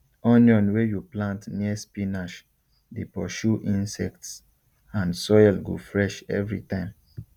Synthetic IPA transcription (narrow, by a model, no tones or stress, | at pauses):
ɔ̃njɔ̃nwejuplãntniəspinaʃ | depɔʃuʔĩnsɛ̰k̚ts | ãnsɔjlɡo̰fɹɛʃɛ̰vɹḭtãɪ̃m